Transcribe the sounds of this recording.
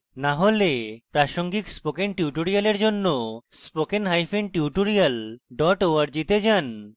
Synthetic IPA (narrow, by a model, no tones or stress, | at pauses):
naɦolepɾaʃoŋɡikspokenʈiuʈoɾijaleɾd͡ʑonːospokenɦajfʰenʈiuʈoɾialɖɔʈoaɾd͡ʑit̪ed͡ʑan